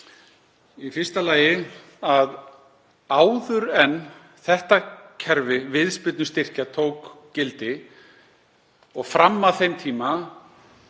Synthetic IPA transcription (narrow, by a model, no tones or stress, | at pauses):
ifɪrst̪alaːjɪ | að | aːwðʏɾɛnː | θɛht̪acʰɛɾvɪvɪðspɪt̪nʏst̪ɪr̥cat̪ʰowkcɪlt̪ɪ | ɔɣfɾamːaθejmt̪ʰiːma